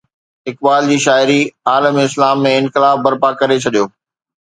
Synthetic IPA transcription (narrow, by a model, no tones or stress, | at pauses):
ɦɪk̚baːld͡ʑiːʃaːɪɾiaːləmɪslaːmːẽɪnxɪlaːfbɐɾpakɐɾet͡ɕʰɐɗijoː